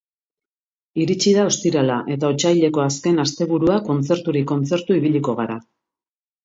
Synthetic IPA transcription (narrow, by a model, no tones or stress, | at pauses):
iɾit͡ʃiðao̞st̪iɾalaʔe̞t̪ao̞t͡ʃajʎe̞ko̞aske̞nast̪e̞βuɾuako̞nt͡se̞ɾt̪uɾiko̞nt͡se̞ɾt̪uiβ̞iʎiko̞ɣ̞aɾa